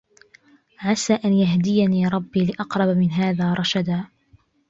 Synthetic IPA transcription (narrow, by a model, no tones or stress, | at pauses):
ʕasaːʔanjaɦd̪ɪjaniːɾˤɑbːiːlɪʔɑqɾˤɑbamɪnɦaːðaːɾˤɑʃad̪aː